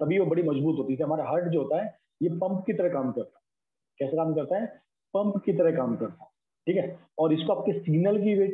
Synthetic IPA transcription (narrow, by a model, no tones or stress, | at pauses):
t̪ɐbʱiʋobɐɽimɐd͡ʒbuːt̪ɦoːt̪iseɐmaːɾaɦɐɾʈd͡ʒoɦoːt̪aɦɛ | jepɐ̃mpkit̪ɐɾekaːmkɐɾt̪ḁ | kɛːsakaːmkɐɾt̪aɦɛː | pɐ̃mpkit̪ɐɾekaːmkɐɾt̪a | ʈʰiːkɦɛ | ɔːɾɪskoaːp̚kesiːnəlkiʋeː